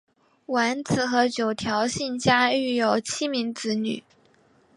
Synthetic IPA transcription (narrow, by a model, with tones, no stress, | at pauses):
wa˧˥nt͡sʰɹ̩˨˩xɤ˧˥t͡ɕjo˨˩ʊt̪ʰjɑ˧˥ʊɕi˥˩nt͡ɕja˥y˥˩jo˨˩ʊt͡ɕʰi˥mi˧˥ŋt͡sɹ̩˧˥ny̰˨˩˦